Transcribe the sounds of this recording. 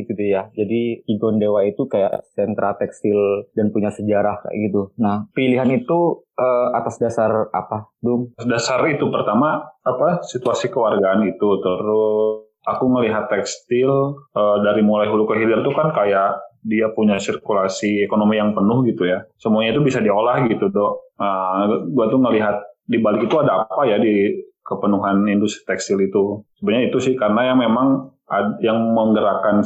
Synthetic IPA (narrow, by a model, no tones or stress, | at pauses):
ɡit̪ujad͡ʒadiiɡɔndewait̪ukaja̰ʔsɛnt̪ɾat̪ɛkst̪ɪldanpuɲasəd͡ʒaɾahka̰ʔɡit̪unahpiliɦanit̪uəa̰t̪asdasara̰padʊŋdasarit̪upərt̪amaapasit̪uasikəwarɡaːnit̪ut̪əɾʊ | akuŋəliɦat̪ːɛkst̪ɪlədaɾimulajɦulukəɦilant̪ukankajaʔdiapuɲasirkulasiekonomijaŋpənʊhɡit̪ujasəmuaɲait̪ubisadiolahɡit̪udɔʔəɡuat̪uŋəliɦat̪̚dibalɪkit̪uadaːpajadikəpənuɦanindust̪ɾi̥t̪ɛkst̪ilit̪usəbətɲait̪usɪhkaɾənajaŋmemaŋ | ajaŋməŋɡəɾakan